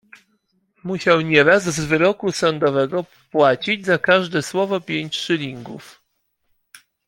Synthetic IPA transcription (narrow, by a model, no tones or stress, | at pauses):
muɕawɲɛɾazzvɘɾɔkusɔnd̪ɔvɛɡɔ | pwat͡ɕid͡ʑzakaʐd̪ɛswɔvɔpʲjeɲt͡ɕʂɘlʲiŋɡṵf